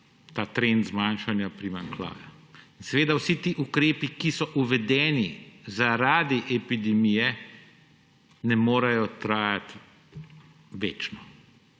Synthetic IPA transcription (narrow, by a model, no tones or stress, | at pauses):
t̪aːt̪ɾent̪zmanʃanjapɾimaŋkla̰ːjainsɛʋeːd̪awsit̪iːʔukɾeːpikisɔʔuʋɛd̪ɛːnizaɾaːd̪iʔɛpid̪ɛmijɛ | nɛmoːɾɐjɔt̪ɾaːjat̪ | ʋeːt͡ʃnɔ